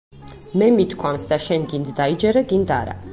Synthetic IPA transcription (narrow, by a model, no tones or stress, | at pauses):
mɛmit̪kʰwamsd̪aʃɛnɡind̪ːaid͡ʒɛɾɛɡind̪a̰ɾa̰